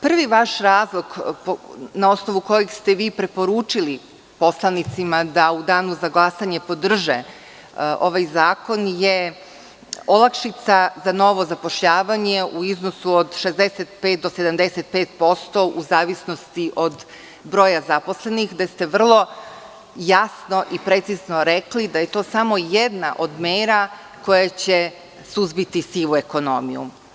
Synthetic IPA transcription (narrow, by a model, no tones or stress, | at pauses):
pr̩ʋiʋaʃɾaːzlˠo̞ɡponao̞sno̞ʋuko̞jekst̪eʋiːpɾe̞po̞ɾuːt͡ʃili | po̞slˠanit̪simad̪aud̪aːnuzaɡlˠasaɲepo̞d̪r̩ʒe | ʔo̞ʋajzaːko̞nje | olakʃit̪sazano̞ʋo̞zapo̞ʃʎaːʋaɲe̞ʔuiznosuod̪ʃe̞zd̪eset̪̚pet̪̚d̪osed̪amd̪eset̪̚peːt̪̚po̞st̪o̞ʔuzaːʋisno̞st̪iʔo̞d̪ | bɾo̞ːjazaposle̞nixd̪est̪e̞ʋr̩lˠo̞ | jasno̞ʔipɾet̪sizno̞ɾe̞klid̪aje̞t̪o̞ːsamo̞jed̪na̰ʔo̞d̪meːɾa | ko̞jat͡ɕe | suzbit̪isiʋue̞ko̞no̞̰mḭjṵ